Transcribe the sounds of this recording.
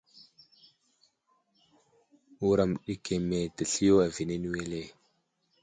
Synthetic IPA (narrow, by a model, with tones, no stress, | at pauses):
u˦ɾa˨m˨ɗi˦ke˨me˨tə˨ɬi˦jo˦a˨vi˨ne˦nu˦we˦le˦˨